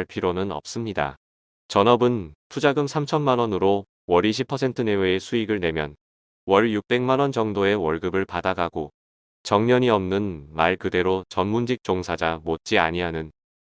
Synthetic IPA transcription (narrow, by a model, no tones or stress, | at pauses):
ɭpʰiɾonɯnʌ̰p̚s͈ɯmɲida̰ | t͡ɕʌnʌbɯnpʰud͡ʑaɡɯmsʰamt͡ɕʰʌnmanʌnɯɾo | wʌɾiɕʰipʰʌsʰe̞ntʰɯne̞weːsʰuiɡɯɭne̞mjʌn | wʌɭjuk̚p͈e̞ŋmanwʌnt͡ɕʌŋdoe̞wʌɭɡɯbɯɭpadaɡaɡo | t͡ɕʌŋɲʌɲiʌmnɯnmaɭkɯde̞ɾot͡ɕʌnmund͡ʑik̚t͡ɕ͈oŋsʰad͡ʑamot̚t͡ɕ͈iaɲiɦanɯn